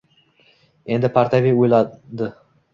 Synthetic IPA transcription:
e̞nd̪ɪpʰaɾt̪ʰavijojlˠɑd̪ɪ

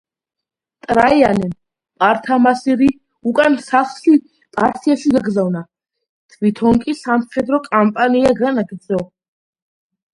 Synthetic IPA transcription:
t̪ʼɾaianɛn | pʼaɾt̪ʰamasiɾi | ukʼansaχʃi | p̪ʼaɾsʰiaʃiɡaɡɾzavna | t̪ʰvit̪ʰɔŋkʼisamχɛd̪ɾɔkʼampʼaniaɡanaɡd̪zʼɔ

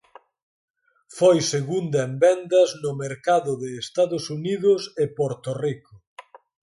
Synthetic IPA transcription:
fojseɣund̪ɐembɛnd̪ɐznʊmeɾkaðʊðɪːst̪aðʊsuniðʊsepoɾt̪orikʊ

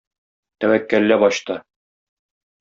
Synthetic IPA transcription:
t̪æwækːælːæbɒɕt̪ɤ

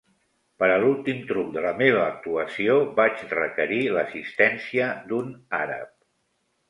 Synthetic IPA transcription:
pəɾəlulˠt̪imt̪ɾuk̚d̪ələmeβ̞əːk̚t̪uəsiobat͡ʃrəkəɾiləsist̪ɛnsiəd̪unaɾə̰p̚

